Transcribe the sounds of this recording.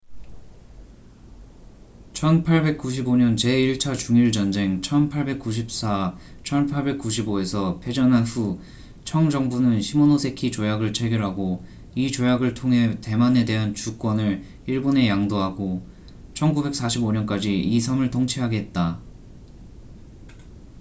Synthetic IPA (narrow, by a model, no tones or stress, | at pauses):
t͡ɕʰʌnpʰaɭbe̞k̚k͈uɕ̬ʰiboɲʌnt͡ɕe̞iɭt͡ɕʰat͡ɕuŋiɭd͡ʑʌnd͡ʑe̞ŋt͡ɕʰʌnpʰaɭbe̞k̚k͈uɕʰip̚s͈at͡ɕʰʌnpʰaɭbe̞k̚k͈uɕ̬ʰiboe̞sʰʌpʰe̞d͡ʑʌnanɸu | t͡ɕʰʌŋd͡ʑʌŋbunɯnɕʰimonosʰe̞kʰit͡ɕojaɡɯɭt͡ɕʰe̞ɡjʌɾɦaɡo | it͡ɕojaɡɯɭtʰoŋɦe̞te̞mane̞de̞ɦant͡ɕuk͈wʌnɯɭ | iɭbone̞jaŋdoɦaɡo | t͡ɕʰʌnɡube̞k̚s͈aɕʰiboɲʌnk͈ad͡ʑiis̬ʰʌmɯɭtoŋt͡ɕʰiɦaɡeet̚t͈a